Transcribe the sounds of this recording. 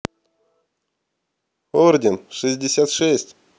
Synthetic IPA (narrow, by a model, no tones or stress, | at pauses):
ordʲɪnʂɨzʲdʲɪsʲat̪ʂɛsʲtʲ